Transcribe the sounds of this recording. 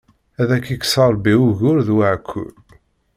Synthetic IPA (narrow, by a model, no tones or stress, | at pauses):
æðækːikːsɑɾˤbiuʝʊɾðwaʕkʰːʊ̰l